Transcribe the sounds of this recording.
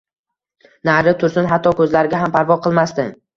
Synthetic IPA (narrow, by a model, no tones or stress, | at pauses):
naɾɪt̪ʰʊɾsɪnɦat̪ʰːɒkʰɵzlaɾɪɡʲaɦampʰaɾvɒqʰɨlˠmast̪ɪ